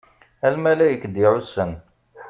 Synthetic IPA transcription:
ælmælæjəkːd̪iʕusən

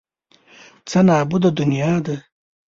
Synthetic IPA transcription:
t͡sanɑːbud̪ad̪unijɑːd̪a

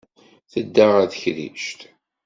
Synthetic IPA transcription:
θəd̪ːaʁæðəçðḭʃt̪

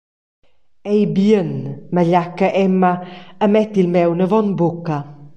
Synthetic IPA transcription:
ejbiənməʎakəʔɛmaəmɛtilmɛwnəvɔnbʊka

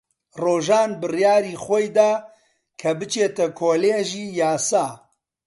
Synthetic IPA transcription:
roːʒaːnbɨrjaːɾiːxʷɔjd̪aː | kʰɐbɨt͡ʃeːt̪ɐkʰoːleːʒiːjaːsaː

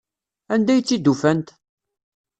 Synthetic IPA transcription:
ænd̪æjt͡sːid̪ːufænt̪

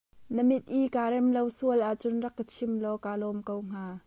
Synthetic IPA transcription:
nəmit̪̚ʔikaːɾɛmlowsuəlʔaʔt͡sʊnrɐkːət͡sʰɪmlɔkaːlɔmkowŋ̥aː

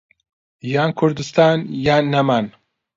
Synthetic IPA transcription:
jaːnkʰʊɾd̪ɨst̪aːnjaːnːaman

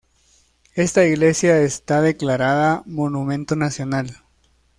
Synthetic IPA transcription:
e̞st̪aiɣle̞sjaest̪aðe̞klaɾaðamo̞numẽ̞nt̪onasjo̞nal

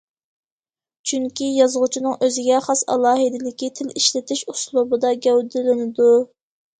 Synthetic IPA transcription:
t͡ʃʰyŋkʲijɑzʁʊt͡ʃʰinɨŋʔøzɪɡʲɛχɑsɑ̰lˠɑːɦɨd̪ɪlɪkʲit̪ʰɪliʃlɪt̪ʰɪʃuslˠubɨd̪ɑɡʲɛwd̪ɪlɪnɪd̪u

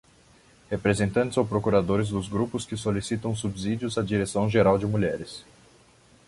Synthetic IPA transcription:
hepɾezẽnt̪ɐ̃nt͡ʃɪzowpɾokuɾad̪oɾɪzd̪ʊzɡɾupʊskɪsolisit̪ɐ̃w̃subzid͡ʒiʊzɐd͡ʒiɾesɐ̃w̃ʒeɾawd͡ʒɪmuʎɛɾɪs

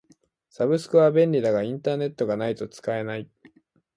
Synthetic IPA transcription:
sabɯ̟sɨ̥kɯ̟βabẽ̞nʲɾʲid̪aɡaĩnt̪aːne̞t̪ːo̞ɡanait̪o̞t͡sɨ̥kae̞nai

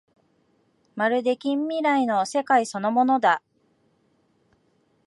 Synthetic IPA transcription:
maɾɯ̟d̪e̞kʲĩmːʲiɾaino̞se̞kaiso̞no̞mo̞no̞d̪a

